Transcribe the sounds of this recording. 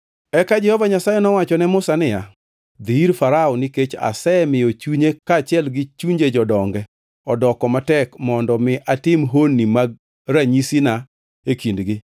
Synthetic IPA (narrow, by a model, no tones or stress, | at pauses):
ɛkad͡ʒɛhɔvaɲasajɛnɔwat͡ʃɔnɛmʊsanɪja | d̪iɾfaɾaɔniket͡ʃa̰sɛmɪjot͡ʃuɲekat͡ʃɪɛlɡɪt͡ʃuɲd͡ʒed͡ʒɔdɔŋɡɛ | ɔdɔkɔmatɛkmɔndɔmɪʔatɪmɦonːimaɡ̚ | ɾaɲisina | ekindɡɪ